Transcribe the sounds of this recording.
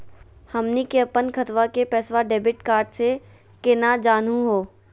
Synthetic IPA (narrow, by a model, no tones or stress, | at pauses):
hɐmnikeɐpənkʰɐt̪ʋakepɛːsʋaɖeːbɪʈkaːɾɖse | kenad͡ʒaːnuɦoː